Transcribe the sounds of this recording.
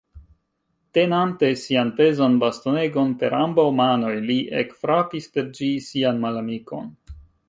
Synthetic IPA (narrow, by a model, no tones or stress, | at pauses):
tenante̞sianpe̞zanbast̪o̞ne̞ɡo̞npe̞ɾambawmano̞jliʔḛkfɾapispe̞ɾd͡ʒisianmalamiko̞n